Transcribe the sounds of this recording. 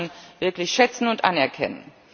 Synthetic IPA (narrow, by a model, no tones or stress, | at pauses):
nvɪɐklɪçʃɛt͡sn̩ʊntʔa̰nɛɐkʰɛ̰nə̰n